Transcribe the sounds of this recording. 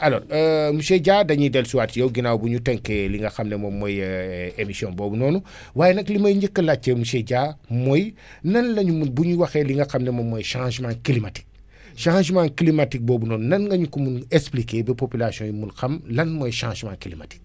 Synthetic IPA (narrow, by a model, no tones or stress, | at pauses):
aloːɾəmuʃeɟaːdɐɲidɛlsuwatijowɡinawbuɲutɛŋkeliŋɡɐxɐmnemomojemisiɔ̃nboːbunoːnu | waːjenɐklimɐɲɟikːɐlat͡ʃːemuʃeɟaːmoj | nɐnlɐɲumunbuɲuwɐxeliŋɡɐxɐmnemomːɔjʃãʒmãːnkilimati̥k̚ | ʃãːʒmãːnkilimatik̚boːbunoːnunɐnɡɐɲukumunesplikeːbipopilasijɔ̃jumunxɐmlɐnmojʃãːʒmãːnkilimati̥k̚